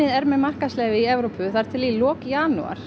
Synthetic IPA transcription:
ɪðɛɾmɛðmar̥kaslɛːvɪiɛvɾopʏθaɾ̥t̪ʰɪlilɔːkjaːnṵa̰ɾ̥

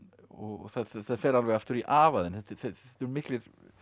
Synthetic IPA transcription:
ɔɣθaðθaðθaðfɛːɾalvɛɣaft̪ʏɾiʔaːvaðɪnθɛt̪θɛɛt̪ʏɾmɪklɪɾ

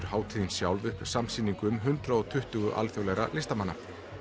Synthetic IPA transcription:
ɾ̥haːwt̪ʰiðnsjawlvʏhpsamsiːniŋkʏmɦʏnt̪ɾaɔt̪ʰʏht̪ʏɣʏʔa̰lθjowlɛɾa̰lɪst̪amanːa

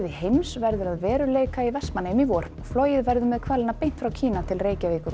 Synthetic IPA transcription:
ðɪhejmsvɛɾðʏɾaðvɛːɾʏleːjkaivɛsmanemivɔːɾ̥ɔɣfloːwjɪðvɛɾðʏmɛðkʰvaːlɪnapejn̥t̪fɾawcʰiːnat̪ʰɪlreːjcavɪːkʏɾ

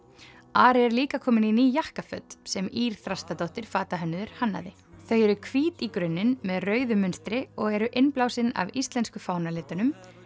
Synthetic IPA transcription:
aːɾɛɾliːkakʰɔːmɪninijahkafœ̰t̪sɛmiːɾ̥θɾast̪at̪owht̪ɪɾ̥faːt̪aɦœnːʏðʏɾ̥hanːa̰ðɪ | θœɥjɛɾʏkʰviːt̪ikɾʏnːɪnmɛðrœːɥðʏmʏnst̪ɾɪɔɣɛɾʏʔɪnplaːwsɪna̰vist̪lɛnskʏfaːwnalɪːt̪ʏnʏm

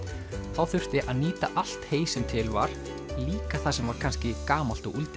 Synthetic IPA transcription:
θawθʏr̥t̪ɪʔaðniːt̪aʔal̥t̪heːjsɛmt̪ʰɪlva̰ɾ̥ | liːkaθasɛmvaɾ̥kʰanscɪkaːmal̥t̪ɔɣult̪ɪ

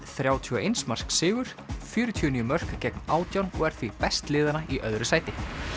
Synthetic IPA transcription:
θɾjaːwt̪ʰyːɔʔejnsmar̥sksɪːɣʏɾ̥ | fʏːɾʏt̪ʰyːɔniːʏmœr̥kacɛknaːwt̪jawnɔɣɛɾ̥θvipɛst̪lɪːðanaiʔœðɾʏsaːjt̪ɪ

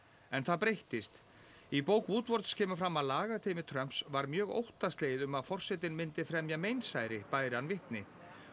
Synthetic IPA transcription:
ɛnθaðpɾejht̪ɪst̪ | ipowkvuːt̪vɔɾt̪scʰɛːmʏfɾamaðlaːɣat̪ʰeːmɪt̪ʰɾœm̥psvaɾmjœːɣo̰wht̪ast̪leːjɪðʏmaðfɔr̥sɛt̪̬ɪnmɪnt̪ɪfɾɛmjamejnsaːjɾɪpaːjɾɪanvɪht̪nɪ

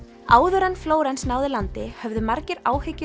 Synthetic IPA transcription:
aːwðʏɾɛnːfloːwɾɛnsnaːwðɪlant̪ɪhœvðʏmaɾcɪɾaːwhɪcːʏ

